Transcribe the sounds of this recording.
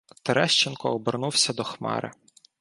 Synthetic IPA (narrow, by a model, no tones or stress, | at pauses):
t̪eɾɛʃt͡ʃɪnkɔɔbernuwsʲɐd̪ɔxmɑ̰ɾɪ̰